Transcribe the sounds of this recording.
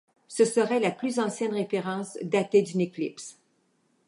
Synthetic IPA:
səsəʁɛlaplyzɑ̃sjɛnʁefeʁɑ̃ːsd̪at̪ed̪ynekʲlips

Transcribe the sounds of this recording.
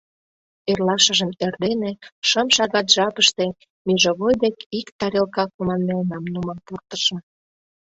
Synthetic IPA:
erlɑʃə̆ʒə̆merd̪eneʃəmʃɑɣɑt̪ʒɑpəʃt̪e̽ | miʒoɣojd̪ekikt̪ɑɾelkɑkumɑnmelnɑmnuməmpurt̪ə̥ʃɤ̆

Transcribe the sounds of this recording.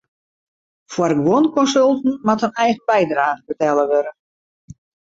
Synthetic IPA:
fwəɾɡwonkɔnsølˠtn̩mathənɛjɣən̩bɛjdraːɣəbətɛlˠəʋøɾə

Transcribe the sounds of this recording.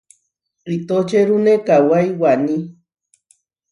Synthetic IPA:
ɾit̪ot͡ʃeɾunekawajwani

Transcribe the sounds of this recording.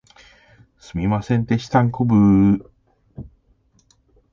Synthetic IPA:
sɨmʲimasẽnt̪eɕi̥t̪ãŋkobɯ

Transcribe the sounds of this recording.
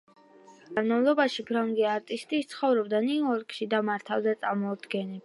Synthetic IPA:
ɡ̥anmavlˠɔbaʃibʰɾɔŋɡiaɾt̪ʼist̪ʼit̪sʰχɔvɾɔbd̪aniuɔɾkʼʃid̪amaɾt̪ʰavzɛt̪sʼaɾmɔd̪ɡɛnɛ

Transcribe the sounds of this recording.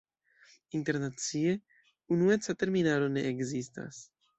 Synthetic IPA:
int̪eɾnat̪t͡sie | unuesat̪eɾminaɾoneʔːɡzist̪a̰s

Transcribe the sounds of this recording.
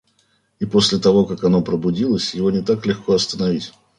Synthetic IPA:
ipo̞sʲlʲɪt̪ɐvo̞kakɐno̞pɾəbʊdʲilˠəsʲjɪvo̞nʲɪt̪aklʲɪxkʰoɐst̪ənɐvʲitʲ

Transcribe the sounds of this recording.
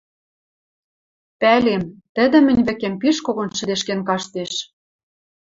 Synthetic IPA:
pælemt̪ə̆d̪ɘ̆mɘ̆nʲvɘ̆kempiʃkoɣonʃɘ̆d̪eʃkenkɑʃt̪eʃ

